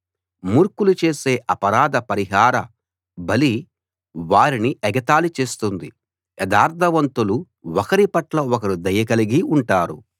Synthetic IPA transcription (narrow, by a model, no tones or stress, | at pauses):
muːɾkulut͡ʃe̞ːse̞ːʔɐpɐɾaːd̪ʱɐpɐɾiɦaːɾɐ | bɐli | ʋaːɾiniʔɛɡɐt̪aːlut͡ʃe̞ːst̪und̪i | ɛd̪aːɾt̪ʰɐʋɐnt̪ulu | ɔkɐɾipɐʈlɐɔkɐɾid̪ɐjɐkɐliɡiuɳʈaːɾṵ